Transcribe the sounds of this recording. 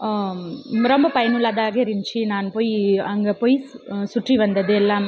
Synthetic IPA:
ɾɔmbɐpɐjɐnʊɭɐðaːɣɐɪɾɪɲt͡ʃinaːnpoːjɐŋɡɐpoːjsʊʈriʋɐnd̪ɐðɯɛlːaː

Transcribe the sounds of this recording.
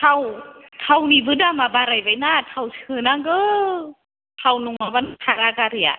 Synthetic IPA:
t̪ʰawt̪ʰawnibɯdamabaɾajbajnaːt̪ʰawsʰɯːnaŋɡə | t̪ʰawnuŋabant̪ʰaɾakaɾia̰

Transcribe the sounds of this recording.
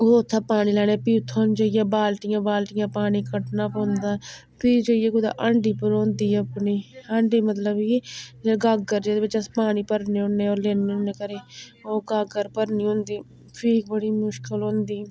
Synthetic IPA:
ooːt̪ʰːaːpaːniːlɛːñeːpiːt̪ʰːoːnd͡ʒaːɪjãːbaːlʈɪjãːbaːlʈɪjãːpaːniːkəʈnaːpõːnd̪aː | piːd͡ʒaːɪjeːɡʊd̪a̰ːʔəɳɖiːpəɾõːnd̪iːəpniːəɳɖiːmət̪ləbiːd͡ʒeɡaːɡəɾd͡ʒeːd̪eːbɪt͡ʃəspaːniːpəɾneːõneːoːɾleːneõːnːeːkəɾeːoːɡaːɡəɾpəɾniːɦõːnd̪iː | pʰiːk̚bəɽiːmʊʃkəlɦõːnd̪iː

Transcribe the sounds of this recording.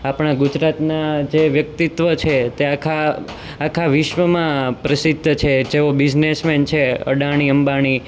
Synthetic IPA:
apɳ̃aɡud͡ʒɾat̪nad͡ʒeʋjək̚t̪it̪ʋət͡ʃʰet̪eakʰaː | kʰaʋiʃʋəmãpɾəsid̪ʱːət͡ʃʰed͡ʒeʋobid͡ʒnesment͡ʃʰeə̰ɖaɽ̃iəmbaɽ̃i

